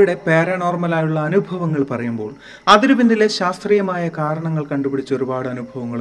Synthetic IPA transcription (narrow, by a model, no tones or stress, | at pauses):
ɽe̞pe̞ːɾɐno̞ːrmɐlaːjuɭːɐːnubʱɐʋɐŋːɐɭpɐrɐjumbo̞ːɭ | ɐðiɾuʋinːileɕaːst̪rijɐmaːjɐkaːɾɐɳɐŋːɐɭkɐɳɖupiɽit͡ɕːo̞ɾubaːɽɨɐnubʱɐʋɐŋːɐɭ